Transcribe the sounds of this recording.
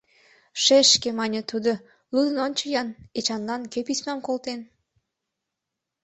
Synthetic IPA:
ʃeʃkemɑnʲə̆t̪ud̪o | lud̪ə̆nonʲt͡ɕəjɑnet͡ɕɑnlɑnkøpismɑmkolt̪en

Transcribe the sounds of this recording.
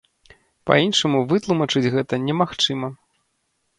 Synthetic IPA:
pɐ̰inʂɐmuvɨt̪lˠumɐt͡ʂɨd͡zʲɣɛt̪ɐnʲɛmaxt͡ʂɨmɐ

